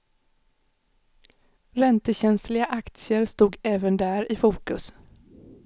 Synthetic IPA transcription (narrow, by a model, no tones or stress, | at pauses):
ɾɛnt̪əɕɛnslɪɡaʔakt̪sɪəɾst̪uːɡɛːvənd̪æːɾɪfuːkɵs